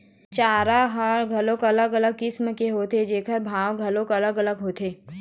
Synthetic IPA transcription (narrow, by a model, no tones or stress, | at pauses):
t͡ʃaːɾaɦaɾɡʱɐlõkɐləɡɐləɡ̚kɪsmkeɦoːt̪ed͡ʒeːkʰəɾbʱaːwɡʱɐlõkɐləɡɐləɡɦoːt̪ʰeː